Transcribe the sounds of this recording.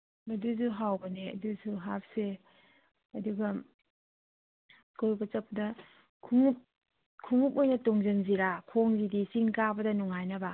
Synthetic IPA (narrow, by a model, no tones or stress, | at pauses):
mɐdusuɦawbɐneɐ̰dusuɦap̚se | ɐduɡɐ | kojbɐt͡ʃɐp̚ːdɐ | kʰuŋup̚ | kʰːuŋuk̚ojnɐtoŋzɯŋziɾakʰoŋzidisiŋkabɐdɐnuŋajnɐba